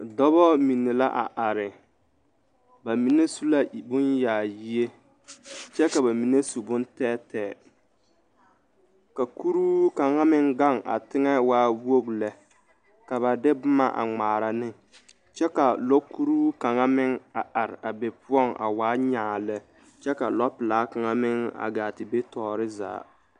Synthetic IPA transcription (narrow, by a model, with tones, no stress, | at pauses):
dɔ˦βɔ˦mi˨nːɪ˨la˦ʔa̰˨ʔa˨ɾɪ˨ | ba˨mi˨ne˦su˦la˦bʊ˦njaː˨ji˦e˦ | t͡ʃɛ˦ka˨ba˨mi˨ne˦su˨bʊ˦n˦tɛː˦tɛː˨ | ka˨ku˦ɾuː˦ka˨ŋa˦mɪ˦ŋɡa˦˨ŋʔa̰˨tɪ˦ŋɛ˦waː˦wo˦ɡlɛ˨ | ka˨βa˨dɪ˦bʊ˦ma̰˦ʔa̰˨ŋ͡maː˨ɾa˨nɪ˦ | t͡ʃɛ˦ka˨lo˦kʰːu˦ɾuː˦ka˨ŋa˦mɪ˦ŋa˨ʔa˨ɾɪ˨a˨be˨pʊ˦ɔ˦˨ŋʔa̰˨waː˨˦ɲaː˨lɛ˦ | t͡ʃɛ˦ka˨lɔ˦pɪ˨laː˨˦ka˨ŋa˦mɪ˦ŋa̰˨ɡaː˨tɪ˨be˦tɔː˨ɾɪ˦za̰ː˨˦